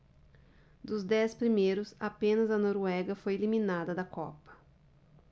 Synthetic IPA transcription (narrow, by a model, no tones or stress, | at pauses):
d̪ʊzd̪ɛspɾimejɾʊsapẽnɐzɐnoɾwɛɡɐfojelimĩnad̪ɐd̪ɐkɔ̰pɐ̥